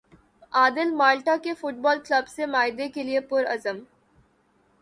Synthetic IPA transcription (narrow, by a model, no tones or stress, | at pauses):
aːd̪ɪlmaːlʈakefʊʈ̚bɔːlkləbsemaːjd̪ekeliepʊɾɐzəm